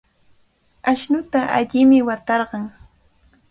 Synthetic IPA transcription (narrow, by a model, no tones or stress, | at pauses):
aʃnʊt̪aʔaʎɪmɪwat̪ɑɾɢɑŋ